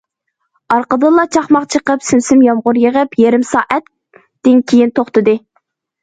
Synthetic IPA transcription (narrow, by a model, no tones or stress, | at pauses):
ɑɾqəd̪ɨlˠɑt͡ʃʰɑχmɑqt͡ʃʰəqəpsynsɪmjɑmʁʊɾjəʁəpʰjeɾɪmsɑːʔɛt̪ː | ɪnkʲʰejint̪ʰoχt̪ɨd̪ɨ